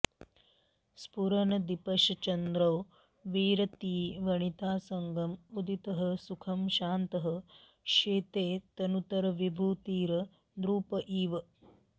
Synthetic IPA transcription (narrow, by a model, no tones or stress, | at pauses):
spuɾɐnɐd̪ipɐʃɐt͡ʃɐnd̪ɾɐw | ʋiːɾɐt̪iːʋɐɳit̪aːsɐŋɡɐmud̪it̪ɐɦɐ̆sukʰɐmʃaːnt̪ɐɦɐ | ʃeːt̪eːt̪ɐnut̪ɐɾɐʋibʱuːt̪iːɾɐ | d̪ɾuːpɐʔiːʋɐ